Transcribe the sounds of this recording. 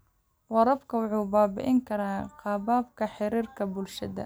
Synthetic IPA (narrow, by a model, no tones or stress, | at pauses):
wɑɾɐbkʰɐwʊħuːbaːbɪ̰ʔɪŋkʰɐɾaːqɑːbaːbkʰɐħɪɾiːrkʰɐbʊlʃɐðɐ̰